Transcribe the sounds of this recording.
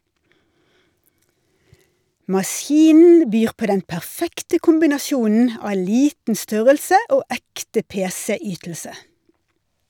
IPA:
mɑˈsjiːnn̩ ˈbyːʁ ˈpoː ˈdɛn pæʁˈfɛktə kʊmbɪnɑˈsjuːnn̩ ˈɑː ˈliːtn̩ ˈstœʁəlsə ˈoː ˈɛktə ˈpeːsɛ ˈyːtl̩sə

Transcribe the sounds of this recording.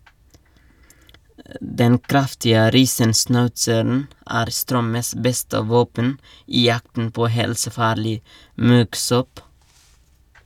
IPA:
ˈdɛn ˈkɾɑftɪə ˈɾiːsənsnɑʉtsəɾn̩ ˈæːɾ ˈstɾœməs ˈbɛstə ˈʋoːpən ˈiː ˈjɑktn̩ ˈpoː ˈhɛlsəˌfɑːɾlɪ ˈmʉɡˌsɔp

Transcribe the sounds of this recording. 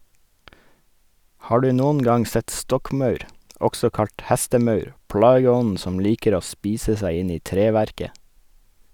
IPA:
ˈhɑː ˈɖʉː ˈnʊn ˈɡɑŋ ˈsɛt ˈstɔkˌmɑʉɾ ˈɔɡsɔ ˈkɑʎt ˈhæstəˌmɑʉɾ ˈpɽɑːɡəˌɔnn̩ ˈsɔm ˈliːkəɾ ˈoː ˈspiːsə ˈsæɪ ˈɪn ˈiː ˈtɾeːˌʋæɾkə

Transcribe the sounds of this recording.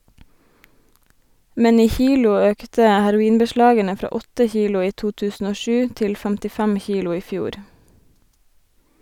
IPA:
ˈmɛn ˈiː ˈçiːlʊ ˈøːktə hæɾʊˈiːnbəˌʃlɑːɡənə ˈfɾɑː ˈɔtə ˈçiːlʊ ˈiː ˈtuː ˈtʉːsn̩ ˈoː ˈʃʉː ˈtɪl fæmtɪˈfæm ˈçiːlʊ ˈiː ˈfjuːɾ

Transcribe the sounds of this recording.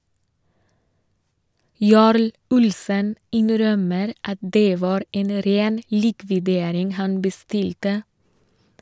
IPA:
ˈjɑːɾl ˈʊlsən ˈɪnɾœməɾ ˈɑt ˈdeː ˈʋɑːɾ ˈeːn ə ˈɾeːn ˈliːkʋɪdeːɾɪŋ ˈhɑn bəˈstɪltə

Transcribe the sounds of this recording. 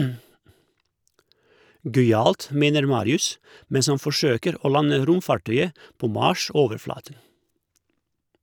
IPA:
ˈɡœʏˌɑːlt ˈmeːnəɾ ˈmɑːɾɪʉs ˈmɛns ˈɑn fɔˈʃøːkəɾ ˈoː ˈlɑnə ˈɾʊmˌfɑˌʈœʏə ˈpoː ˈmɑːˌʃoːʋəɾˌflɑːtən

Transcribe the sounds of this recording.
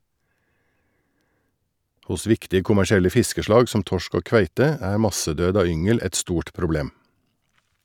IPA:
ˈhʊs ˈʋɪktɪ kʊmæʃɪˈɛlə ˈfɪskəʃlɑːɡ sm̩ ˈtɔʃk ˈoː ˈkʋæɪtə ˈæː ˈmɑsəˌdøːd ˈɑː ˈʏŋəl ˈɛt ˈstuːʈ pɾʊˈbleːm

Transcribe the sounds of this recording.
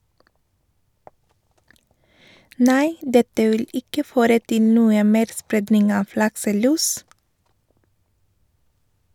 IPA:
ˈnæɪ ˈdɛtə ˈʋɪl ˈɪkə ˈføːɾə ˈtɪ ˈnuːə ˈmeːɾ ˈspɾeːdnɪŋ ˈɑːʋ ˈlɑksəˌlʉːs

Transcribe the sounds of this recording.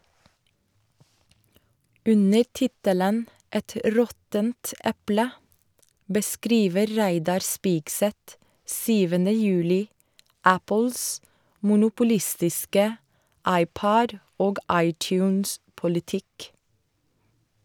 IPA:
ˈʉnəɾ ˈtɪtələn ˈɛt ˈɾɔtənt ˈɛplə bəˈskɾiːʋə ˈɾæɪdɑɾ ˈspɪɡsɛt ˈsyːʋəndə ˈjʉːlɪ ˈæpl̩s mʊnʊpʊˈlɪstɪskə ˈɑɪˌpɔd ˈoːɡ ˈɑɪˌtjʉːnspʊlɪˌtɪk

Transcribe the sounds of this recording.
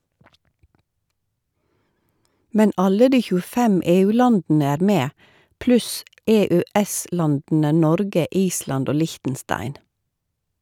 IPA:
ˈmɛn ˈɑlə ˈdiː çʉːəˈfɛm ˌeːˌʉːˈlɑndn̩ə ˈæːɾ ˈmeː ˈplʉs ˌɛˌœˈɛˌslɑndn̩ə ˈnɔɾɡə ˈʔiːslɑnd ˈoː ˈlɪçtn̩ˌstɑɪn

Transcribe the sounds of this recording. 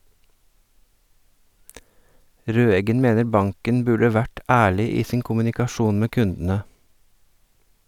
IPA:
ˈɾøːɛɡən ˈmeːnəɾ ˈbɑŋkən ˈbʉɖə ˈʋæʈ ˈæːɭɪ ˈiː ˈsiːŋ kʊmʉnɪkɑˈʃuːn ˈmeː ˈkʉndənə

